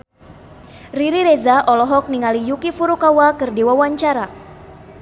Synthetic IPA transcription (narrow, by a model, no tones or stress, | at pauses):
riɾiɾezaʔɔlɔɦɔk̚niŋalijukifuɾukawakɨrdiwawaɲt͡ʃaɾa